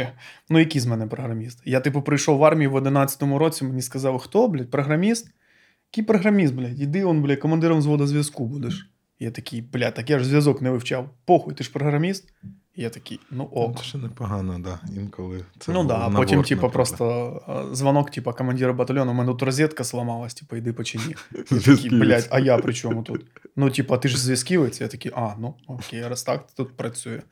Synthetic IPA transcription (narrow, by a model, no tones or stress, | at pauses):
nujɐkʲijzmɛnɛpɾɔɦɾɐmʲist̪jat̪ɪpɐpɾɪjʃɔwʋɑrmʲijiʋɐd̪ɪnat̪ʲsʲɐ̥t̪ɔmʊɾot͡sʲimenʲiskɐzɑwxt̪ɔblʲɛpɾɔɦɾɐmʲist̪ | ɐkʲipɾɔɦɾɐmʲist̪̚blʲɛjʲid̪ɪɔnblʲɛkɐmɐnd̪ɪɾɐʋnzʋɔd̪ɐzʲʋʲɐskubud̪ɛʃ | jat̪ɐkʲʰijblʲat̪ɐkʲjaʐzʲʋʲjɐzɔknɛʋɪwt͡ʃawpɔxʊjt̪ɪʂpɾɔɦɾɐmʲist̪ | ijat̪ɐkʲijnuʔonəpɐɦanɐd̪aimkɐlˠɨnud̪aːpot̪ʲimmt̪ʲipɐpɾost̪əzvɐnoktʲipɐkəmɐnʲdʲiɾɐbɐt̪ɐlʲonɐmɛnut̪rɐzʲet̪kəslˠɐmɑlˠəsʲtʲi̥pəjɪd̪ɨpət͡ɕɪnʲit̪ɐkʲkʲiblʲatʲɐjapɾʲɪt͡ɕomʊt̪ut̪nutʲipɐt̪ɨʐzʲvʲɪskʲiʋəjt̪sʲɐja̰t̪ɐkʲijʔanuokʲejɾɐst̪akt̪t̪ut̪̚pɾɐsʲujɪ